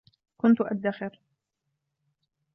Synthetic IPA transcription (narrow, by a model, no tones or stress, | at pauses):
kʊnt̪ʊʔad̪ːaxɪɾ